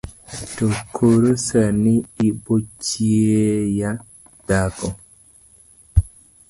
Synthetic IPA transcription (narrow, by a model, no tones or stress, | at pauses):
tɔkʰoɾosaniibot͡ʃieja | d̥akɔ